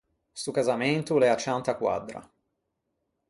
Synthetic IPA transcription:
sukazament̪ulɛat͡ʃːant̪akwa̰d̪ɾa̰

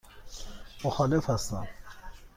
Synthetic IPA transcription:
moxɒːlefhæst̪æ̰m

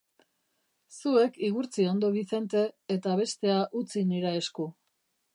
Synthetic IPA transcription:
sue̞kiɣuɾt͡sio̞nd̪o̞βiθe̞nt̪e̞ːt̪aβ̞e̞st̪e̞aʔut͡siniɾae̞sku

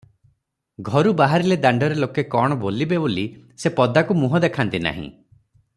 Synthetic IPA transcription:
ɡʱɔɾubaɦaɾiled̪aɳɖɔɾelokekɔɽ̃ɔbolibeboli | sepɔd̪ʱakumuɦɔd̪ekʰant̪ina̰ɦḭ̃

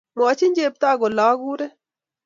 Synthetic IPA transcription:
moːt͡ɕʰinʲd͡ʒeːp̚t̪aːɡolaːɡuːɾe

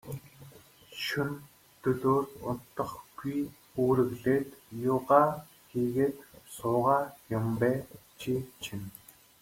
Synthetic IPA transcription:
ʃɵn | t̪ɵɮoːrt̪ʊ̰n̥t̪ːə̆χɡ̥uj | uːɾɘ̆ɣɮeːt̪jʊːʁaː | xiːɣeːt̪sʊːʁaːjʊmpæːt͡ɕʰit͡ɕʰĭn

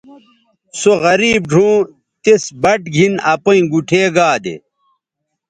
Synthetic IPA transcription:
soɣɐɾiːb̚ɖʱũː | t̪esbɐʈɡʱinɐpoĩɡuʈʰeːɡaːd̪ḛ

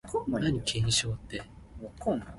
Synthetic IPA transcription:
knaɲ̟ikʰẽɰ̃ɕoːt̪ːe | ko

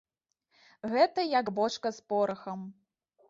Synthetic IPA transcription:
ɣɛt̪ɐjaɡbɔt͡ʂkɐspɔɾɐxɐm

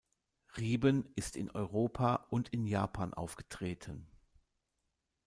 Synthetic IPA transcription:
ʁiːbənɪstɪ̰nʔɔʏʁoːpʰaʔʊntɪnjaːpʰaːnʔa̰ʊfɡ̥ətʁ̥eːtʰən

